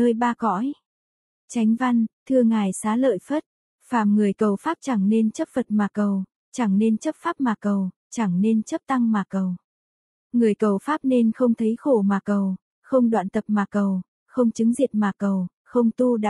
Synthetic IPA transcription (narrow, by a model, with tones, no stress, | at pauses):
nəː˧jɓaː˧kɔ̰˧˥j | t͡ɕa˨˦jŋ̟va˧nt̪ʰɨ˧əŋaː˨˩jsaː˨˦lə̰ː˧˨jfə˦˥t̚ | faː˧˩mŋɨ˨˩əjkə˨˩wfaː˦˥p̚t͡ɕa˧˩ŋne˧nt͡ɕə˦˥p̚fə˨˩t̚maː˨˩kə˨˩w | t͡ɕa˧˩ŋne˧nt͡ɕə˦˥p̚faː˦˥p̚maː˨˩kə˨˩w | t͡ɕa˧˩ŋne˧nt͡ɕə˦˥p̚t̪a˧ŋmaː˨˩kə˨˩w | ŋɨ˨˩əjkə˨˩wfaː˦˥p̚ne˧nxə˧wŋ͡mt̪ʰə˨˦jxo˧˩maː˨˩kə˨˩w | xə˧wŋ͡mɗwa̰ː˧˨nt̪ə˨˩p̚maː˨˩kə˨˩w | xə˧wŋ͡mt͡ɕɨ˨˦ŋzḭ˨˩ət̚maː˨˩kə˨˩w | xə˧wŋ͡mt̪u˧ɗa̰ː˧˨